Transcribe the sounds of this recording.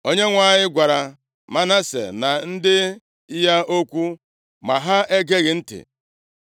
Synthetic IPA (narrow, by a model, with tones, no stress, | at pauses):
o˦ɲe˦ŋʷa˦˨ɲɪ˦ɡʷa˨ɾa˨ | ma˦na˦sḛ˨na˨n̩˦dɪ˦ | ja˦o˦kʷu˦ | ma˨ɦa˦e˦ɡe˦ɣɪ˨n̩˦tɪ̰˨